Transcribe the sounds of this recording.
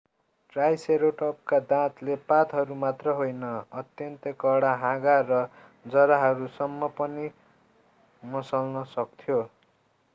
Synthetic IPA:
ʈrajseɾoʈʌp̚kad̪ãt̪lepat̪ɦʌɾumat̪rʌɦojnʌʌt̪jʌnt̪ʌkʌɽaɦãɡarʌ | d͡zʌɾaɦʌɾusʌmːʌpʌni | mʌsʌlnʌsʌk̚t̪ʰjo

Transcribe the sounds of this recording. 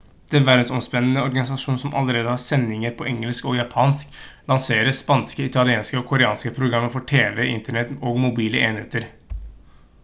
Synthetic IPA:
d̪̥ɛnʋæɾd̪nsɔmspɛnːənəɔɾɡɑnɪsɑʂuːn̩sɔmʔɑ̰ləɾeːd̪əhɑɾsɛnːɪŋəɾpʰɔʔɛŋːəlskɔjɑpʰɑːnsklɑnseːɾəspɑnskəɪt̪ʰɑlɪeːnskəɔkʰʊɾɛɑːnskəpʰɾʊɡɾɑmːəfɔʈʰeːʋɛɪnt̪əɳɛt̪oːɡmʊbiːləeːnɪheːt̪əɾ

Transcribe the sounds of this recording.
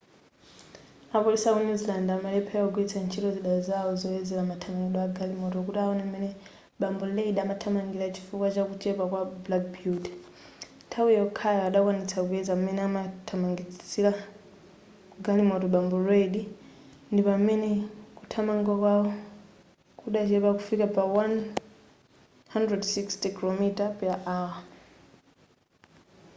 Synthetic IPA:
apɔlisaunizlandamalɛpʰɛwɔɡuit͡sʰant͡ʃʰitɔziɗazaɔzɔɛzɛlamatʰamaŋɡiɗɔwaɡalimɔtɔkutaɔnɛmɛnɛ | ɓambɔleiɗamatʰamaŋɡiɾat͡ʃi̥fukwat͡ʃakut͡ʃɛpakwablak̚bjutɛ̥ | tʰawiɔkʰajaaɗakwanit͡sakuɛzaumɛnɛamatʰamaŋɡit͡siɾa | ɡalimɔtɔɓambɔɾɛɗi | ndipamɛnɛkutʰamaŋɡwakwaɔ | kuɗat͡ʃɛpakufikapawan | handɹɛdsikstikilɔmitapɛlaʔawa

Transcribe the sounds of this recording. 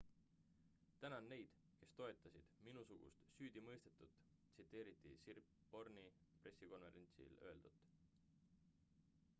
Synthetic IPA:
t̪ænɑnːe̞jd̪̥ | ke̞st̪o̞e̞t̪ːˑɑsid̪̥minusuɡ̥ṵst̪syːd̪̥imɤ̞jst̪e̞t̪ːˑut̪ːˑ | t̪sit̪ːˑe̞ːɾit̪ːˑisirp | bo̞rnipre̞sːiko̞nve̞̰ɾe̞nʲt̪sḭlø̞eld̪̥ut̪ːˑ

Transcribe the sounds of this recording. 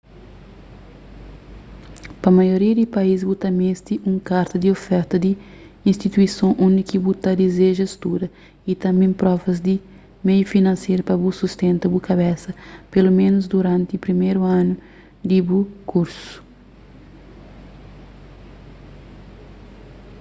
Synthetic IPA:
pɐmajoɾiɐd̪ipaizbut̪ɐmẽst̪iʔũŋkaɾt̪ɐd̪iofɛɾt̪ɐd̪i | ĩnst̪it̪uisõʔõnd̪ikibut̪ɐd̪izeʒɐst̪uɾɐ | it̪ɐ̃mbẽpɾɔvɐzd̪i | mejufinɐ̃nsejɾpɐbusust̪ẽnt̪ɐbukaβɛsɐpelomẽnuzd̪uɾãnt̪ɪupɾimeɾuãnu | d̪ibukʰuɾsu̥

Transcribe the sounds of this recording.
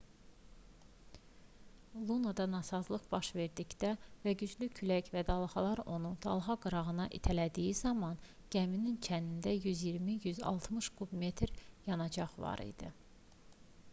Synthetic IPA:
lˠunod̪ɑnɑsɑzlˠɯχb̥ɑʃve̞ɾd̪içd̪ævæɟyd͡ʒlycʰylæcvæd̪ɑlˠhɑlˠɑɾo̞nund̪̥ɑlˠɦɑɡɯɾɑʁɯnɑʔit̪ʰælæd̪ijizɑmɑn | ɟ̥æminint͡ʃʰænind̪æjyzjiɾmijyzɑ̰lˠt̪ʰmɯʃkʰubme̞t̪ʰɾjɑnɑd͡ʒɑχvɑ̰ɾḭd̪̥ḭ

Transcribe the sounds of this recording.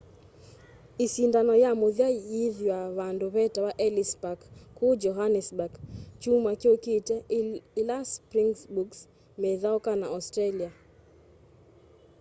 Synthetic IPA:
isindanɔjamoðjajiðjwawandopɛtawaʔɛlispakkːʊd͡ʒɔɦanɛsbakt͡ʃumakɪokitɛlaspɾiŋsbuks | mɛðaɔkanaɔstɾelia

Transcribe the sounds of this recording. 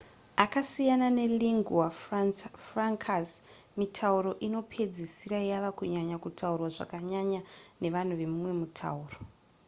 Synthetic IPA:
akasijanane̞liŋɡuwafrfraŋkʰas | mitʰauɾo̞ʔino̞pʰe̞d͡zisiɾaijaʋakuɲaɲakutʰaurwaʐa̰kaɲaɲane̞ʋan̤uʋe̞mumwe̞mutʰa̰uːro

